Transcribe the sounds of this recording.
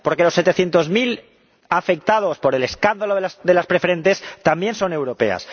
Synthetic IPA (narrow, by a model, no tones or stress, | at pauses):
po̞ɾke̞lo̞sːe̞t̪e̞θje̞nt̪o̞zmil | afe̞k̚t̪að̞o̞spo̞ɾele̞skand̪aloðelasðe̞laspɾe̞fe̞ɾẽ̞nt̪e̞st̪ambje̞nso̞ne̞wɾo̞pe̞̰a̰s